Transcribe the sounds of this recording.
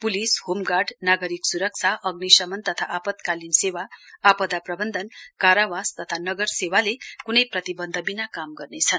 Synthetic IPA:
pulishomɡarɖnaɡʌɾiksuɾʌk̚t͡sʰaʔʌɡnisʌmʌnt̪ʌt̪ʰaʔapʌt̪kalinsewaːpʌd̪aprʌbʌnd̪ʱʌnkaɾawast̪ʌt̪ʰanʌɡʌrsewalekunʌjprʌt̪ibʌnd̪ʱʌbinakamɡʌrnet͡sʰʌn

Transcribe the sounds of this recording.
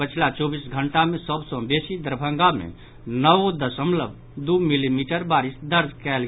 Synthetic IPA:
pət͡ʃʰlat͡ʃɔbisɡʱəɳʈamesəbsɔ̃besid̪əɾbʱə̃ŋɡamḛ̃ | nəʋod̪əsəmləb | d̪umilimiʈəɾbaɾisd̪əɾd͡ʒkɛl

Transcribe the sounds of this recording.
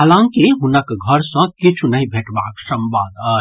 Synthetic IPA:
ɦaːlãŋkiɦʊnəkɡʱəɾsə̃kit͡ʃʰunɐɦĩbʱeːʈbaːksə̃mbaːd̪ə

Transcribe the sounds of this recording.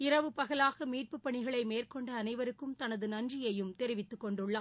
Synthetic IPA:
ɪɾɐʋɯpɐɣɐlaːɣɐmiːʈ̚pɯpːɐɳɪɣɐɭɐɪmeːrkɔɳɖɐːnɐɪʋɐɾɯkːɯmt̪ɐnɐðɯnɐnd͡ʒrɪjɐjɯmt̪ɛɾɪʋɪt̪ːɯkːɔɳɖɯɭːɐː

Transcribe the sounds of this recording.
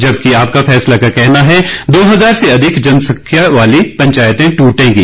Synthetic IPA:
d͡ʒɐb̚kiaːp̚kafʰɛːslakakɛɦnaɦɛd̪oːɦɐzaːɾseɐd̪ʱɪkd͡ʒɐnsɐkʰːjaʋaːlipɐ̃ɲt͡ʃaːjət̪ẽʈuːʈẽːɡiː

